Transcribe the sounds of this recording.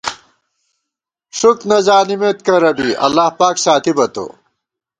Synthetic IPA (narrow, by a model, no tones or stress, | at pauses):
ʂuknɐzaːnimet̪kɐɾɐbiʔɐ̰lːaːhpaːksaːt̪ʰibɐt̪o̰ː